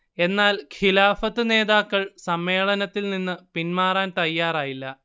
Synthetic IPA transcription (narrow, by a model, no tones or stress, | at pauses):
e̞nːaːlkʰilaːfɐt̪ːɨne̞ːðaːkːɐɭsɐmːe̞ːɭɐnɐt̪ːilninːɨpinmaːraːnt̪ɐjːaːraːjilːɐ